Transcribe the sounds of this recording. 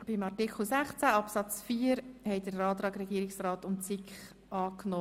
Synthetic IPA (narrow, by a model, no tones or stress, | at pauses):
b̥imɑtikʰl̩ˠsæχt͡sæɑpsɑt͡sfiːəɾhɛɪdəɾɑːt̪ɾɑːɡɾɛɡiːɾɪksrɑːtʊnt͡sikχ | ɑːknoː